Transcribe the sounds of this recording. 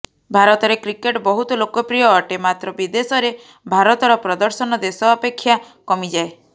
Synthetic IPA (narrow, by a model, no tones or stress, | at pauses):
bʱaɾɔt̪ɔɾekɾikeʈbɔɦut̪ɔlokɔpɾijɔːʈemat̪ɾɔbid̪esɔɾe | bʱaɾɔt̪ɔɾɔpɾɔd̪ɔɾsɔnɔd̪esɔːpekʰːja | kɔmid͡ʒae